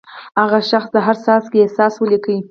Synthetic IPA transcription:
haɣaʃaxsd̪əɦaɾsɑskeehsɑswəlikəwi

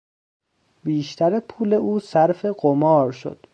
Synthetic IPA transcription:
biːʃt̪ʰæɾepʰuːle̞ʔuːsæɾfe̞ɢomɒːɾʃo̰d̪̥

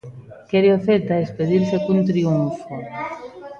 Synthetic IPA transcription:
keɾjofeɾt̪aespeðiɾsekunt̪ɾiuɱfo

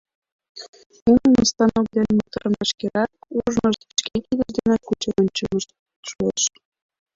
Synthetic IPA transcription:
unənəst̪ɑnok̚d̪enʲmut̪ɤɾəmɑʃkeɾɑk̚uʒnəʃt̪pʃkekid̪əʒd̪enekut͡ɕənʲt͡ɕəməʃ | ʃueʃ

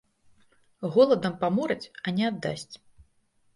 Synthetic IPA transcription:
ɣɔlˠɐd̪ɐmpamɔɾɐt͡sʲɐnʲɛad̪ːa̰sʲt͡sʲ

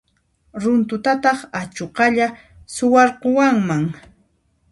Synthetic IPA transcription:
ɾʊnt̪ʊt̪at̪ɑχat͡ʃoqɑʎa | sʊwɑɾqowaŋmaŋ

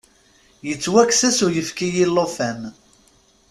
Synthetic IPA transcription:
jət͡sːwæksæsujəfkijilːofæm

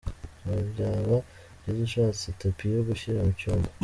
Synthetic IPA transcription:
aɟaβa | ɟeziʃaːt͡sitopijoɡuçiɾamucoːŋɡo̥

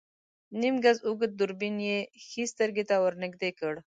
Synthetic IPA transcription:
nimɡazʊɡəd̪̚d̪ʊɾbinjexist̪əɾɡet̪awəɾnɪɡ̚d̪ekəɽ

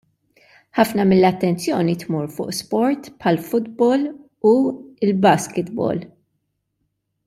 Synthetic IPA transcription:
ħɐfnɐmɪlːɐt̪ːɛnt͡sjɔːnit̪muːɾfʊ̰ːʔspɔɾt̪pħɐlfʊd̪bɔl | uɪlbɐskɪt̪bɔ̰ːl

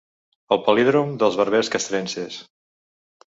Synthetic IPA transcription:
əlˠpəliðɾomd̪əlˠzβəɾβeskəst̪ɾenses

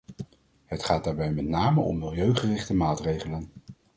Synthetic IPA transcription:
ɦətχaːd̥aːɹbɛjmɛtnaːməʔɔ̰mːɪlˠjøɥχərɪχtəmaːtrejχələn

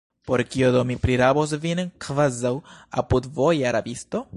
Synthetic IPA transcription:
po̞ɾkiodomipɾiɾabos̬vinkvazawa̰pudvo̞jaɾabisto̞

